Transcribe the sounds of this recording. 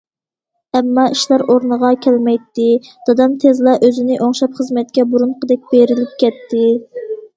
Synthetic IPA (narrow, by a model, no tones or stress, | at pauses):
ɛmːɑiʃlˠɑɾoɾnəʁɑkʲʰɛlmɛjt̪ːɪd̪̥ɑd̪ɑmt̪ʰezlˠɑʔøzɪnɪʔoŋʃɑpχəzmɛt̪̚kʲɛbuɾunqəd̪ɛk̚ʲbeɾɪlɪp̚kʲɛt̪ʰːɪ